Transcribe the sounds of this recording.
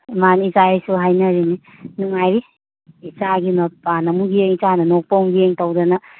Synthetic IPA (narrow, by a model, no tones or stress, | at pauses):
manizaejsuɦajnɐɾini | nuŋajɾiː | t͡ʃaɡinɐpanɐmuɡieŋisanɐnok̚pawmɡieŋtawdɐnɐ